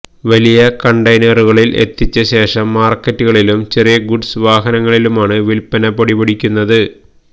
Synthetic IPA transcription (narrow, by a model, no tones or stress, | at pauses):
ʋɐlijɐkɐɳɖɐjnɐruɣɐɭile̞̰t̪ːit͡ɕːɐɕe̞ːʂɐmːaːrkːɐtːuɣɐɭilumt͡ɕerijɐɡuɖsʋaːɦɐnɐŋːɐɭilumaːɳɨʋilpːɐnɐpɐɽiʋɐɽikʲːunːɐðɨ